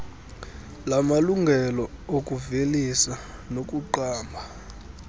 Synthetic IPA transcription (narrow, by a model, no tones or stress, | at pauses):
lamaluŋɡʱɛlɔok̬ʼuvelisa | nok̬ʼuǃaːmbʱa